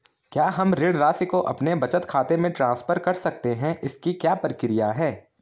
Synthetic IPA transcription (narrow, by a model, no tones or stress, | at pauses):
kjaːɦɐmɾɪɽɾaːsikoʔɐpnebɐt͡ʃət̪kʰaːt̪emẽʈɾãːnspʰəɾkɐɾsɐk̚t̪eɦɛ̃ʔɪskikjaːpɾəkɾɪjaɦɛː